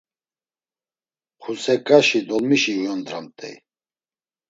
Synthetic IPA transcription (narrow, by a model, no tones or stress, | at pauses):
χʰusɛkʼaʃid̪ɔlmiʃiujɔnd̪ɾamt̪ʼɛ̰